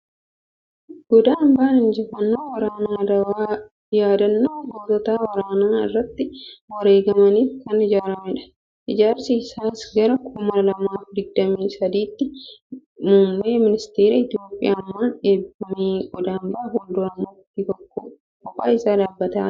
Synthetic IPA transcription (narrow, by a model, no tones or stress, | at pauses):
ɡ̥ɔd̪aːmbaːnɪnd͡ʒɛfɐnːoːwɐɾaːnaːɐwaː | jaːd̪ɐnːoːboːt̪ɐt̪aːwɐɾaːnaːɪ̰rːɐt̪ːɪwɐɾe̞ːɡɐmɐniːfkɐnɪd͡ʒaːɾɐmɪᶑɐ̥ | ʔɪd͡ʒaːɾsiːsaːsɡɐɾɐkʰʊmɐɾɐlɐmaːfd̪ɪɡ̚d̪ɐmiːsɐd̪iːt̪ːɪ | mʊmːeːmɪnɪst̪eːɾɐɪt̪jo̞ːpʼːɪjaːmːaːnᶑeːbɐmiːɡɔd̪aːmbɐːfɔnd̪ʊɐmʊt̪ːit̪ɔkːo̰ | kɔkʼa̰ːɪsaːd̪aːbːɐt̪ɐ̰ː